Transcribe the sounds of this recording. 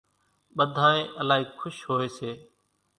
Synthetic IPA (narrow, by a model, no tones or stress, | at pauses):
ɓəd̪ʱaːẽːʔəlaːɦiːkʰʊʃɦoːeːseː